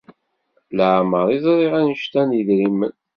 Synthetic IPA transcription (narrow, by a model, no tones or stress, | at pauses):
ləʕməɾˤizˤɾˤiʁænəʃt̪ænjəðɾimːən